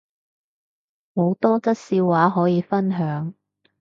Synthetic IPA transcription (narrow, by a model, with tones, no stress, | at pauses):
mo˨˧wt̪ɔː˥t͡sɐ˥t̚siː˧wwaː˨˧˥ɦɔː˨˥jiː˨˧fɐ˥nɦœː˨˥ŋ